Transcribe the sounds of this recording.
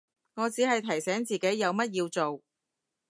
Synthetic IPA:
ŋɔː˨˧t͡siː˨˥ɦɐ˨jt̪ʰɐ˨˩jsɛː˨˥ŋt͡siː˨˩ke˨˥jːɐ˨˧wmɐ˥t̚jiː˧wt͡so˨w

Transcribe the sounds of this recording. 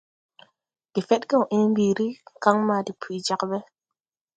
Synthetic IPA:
ki˨fe˦tkɛ˦˨u˨ʔe˦m˦bi˨ɾi˦˨ka˦ŋma˧di˨pʰi˨d͡ʒa˦kbe˦

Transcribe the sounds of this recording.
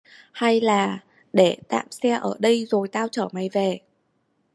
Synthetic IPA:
ha˧jlaː˨˩ | ɗe˧˩t̪a̰ː˧˨msɛ˧ʔəː˧˩ɗə˧jzo˨˩jt̪aː˧wt͡ɕəː˧˩ma˨˩jve˨˩

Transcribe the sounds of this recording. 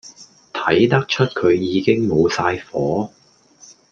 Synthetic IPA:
t̪ʰɐ˨˥jt̪ɐ˥k̚t͡ʃʰɵ˥t̚kʰɵ˨˧ɥjiː˨˧kɪ˥ŋmo˨˧wsaː˧jfɔː˨˥

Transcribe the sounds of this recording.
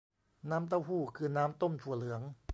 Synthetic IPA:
naː˦˥mt̪̬a˥˩wɦuː˥˩kʰɯː˧naː˦˥mt̪o˥˩mt̪ʰu˧˩lɯ˩˦əŋ

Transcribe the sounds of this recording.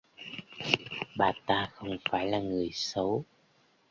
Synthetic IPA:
ɓaː˨˩t̪aː˧xə˧wŋ͡mfaː˧˩jlaː˨˩ŋɨ˨˩əjsə˨˦w

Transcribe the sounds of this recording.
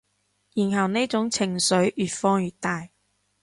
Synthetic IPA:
jiː˨˩nhɐ˨˩wne˥jt͡sʊ˨˥ŋt͡sʰɪ˨˩ŋsɵ˨˥ɥʔyː˨t̚fɔː˥ŋjyː˨t̚t̪aː˨j

